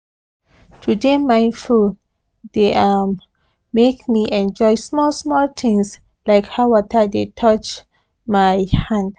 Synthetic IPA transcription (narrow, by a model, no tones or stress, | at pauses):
tʰudemãɪ̃nful | deʔam | mekmiʔɛ̃nd͡ʒɔjsmɔlsmɔlt̪ʰɪ̃ŋs | laɪkhawatʰadetʰɔt͡ʃ | majhãnd